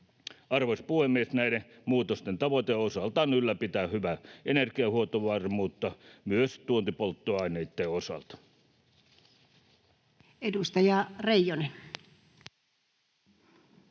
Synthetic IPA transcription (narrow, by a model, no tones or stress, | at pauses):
ɑrʋospuhemːiesnæiɾe | muːt̪ost̪ent̪ɑʋot̪eosɑlt̪ɑnylːæpit̪æːhyʋæʔenerkiɑhuot̪oʋɑrmuːt̪ːɑmyøst̪uont̪ipolt̪ːoɑineit̪ːeosɑ̰lt̪ɑ̥ | edust̪ɑjɑreijonen